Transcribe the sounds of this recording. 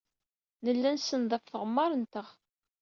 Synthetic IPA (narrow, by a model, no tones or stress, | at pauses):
nəlːænsənðˤɑfθəʁəmːɑɾˤənt̪əʁ